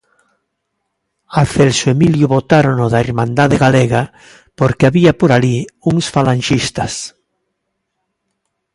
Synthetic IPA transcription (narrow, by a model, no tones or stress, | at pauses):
aθelsoemiljuβot̪aɾonoðaeɾmãnd̪aðeɣaleɣa | poɾkeaβiapoɾaliuŋsfalanʃist̪as